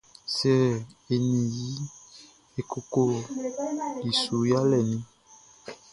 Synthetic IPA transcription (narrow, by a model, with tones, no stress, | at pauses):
sɛ˦˨e˨nĩ˨ji˦ | e˨kʰo˨ko˦ | li˨su˨ja˦lɛ˨nĩ˦